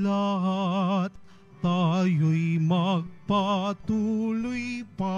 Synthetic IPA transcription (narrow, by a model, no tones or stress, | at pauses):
laɦat̪ | t̪ajuimak̚pat̪uluipa